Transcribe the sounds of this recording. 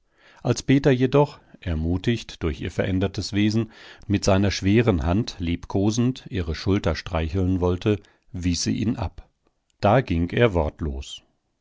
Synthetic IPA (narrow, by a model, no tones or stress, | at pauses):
ʔalspeːtɐjedɔχʔɛɐmuːtɪçtd̥ʊɐçiːɐfɛɐʔɛndɐtəsv̥eːzn̩mɪtz̥aɪnɐʃv̥eːʁənhantleːpkʰoːzn̩tʔiːʁəʃʊltɐʃtʁ̥aɪçl̩nvɔltʰə | viːsz̥ḭːʔiːnʔa̰p | d̥aːɡɪŋeːɐvɔɐtloːs